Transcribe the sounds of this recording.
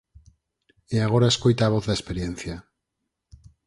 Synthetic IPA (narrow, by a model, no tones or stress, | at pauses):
eaɣ̞o̞ɾaeskojt̪aβ̞oθðaespeɾjenθja